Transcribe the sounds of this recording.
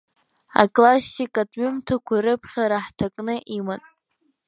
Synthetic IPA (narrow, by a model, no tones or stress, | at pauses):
a̰kʼlasikʼatʼɥʏmtʰakʷʰaɾɨpʰχʲaɾaħtʰakʼnɨʔiman